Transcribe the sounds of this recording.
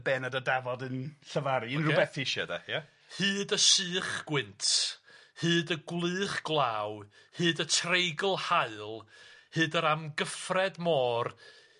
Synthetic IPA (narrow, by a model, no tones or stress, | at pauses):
bɛːnadədavɔdənɬəvaɾiənrʊbɛθiɪʃada̰ja | hɨːdəsɨːχɡ̥wɪntʰhɨːdəɡwlˠɨːχɡ̥lˠaːw | hɨːdətʰrejɡəlˠhaɨlˠhɨːdəɾamɡəfrɛdmɔːr